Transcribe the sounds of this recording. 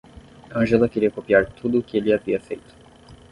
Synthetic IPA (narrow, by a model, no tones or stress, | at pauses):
ɐ̃ʒelɐkeɾiɐkopiaɾt̪ʰud̪ʊkɪelɪaviɐfḛjt̪ʊ̥